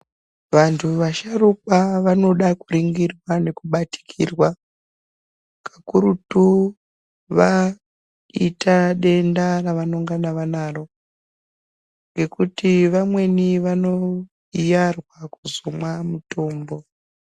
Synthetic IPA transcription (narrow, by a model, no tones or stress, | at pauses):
ʋantʰuʋaʃarukaʋano̞ɗakuɾiŋɡirwane̞kuɓati̥kʰirwa | kḁkuɾutu | ʋa | itaɗe̞ndaraʋano̞ŋɡanaʋanaːro̞ | ŋɡe̞kutiʋamwe̞niʋano̞ | ijarwakuzomwamuto̞ːmbo̞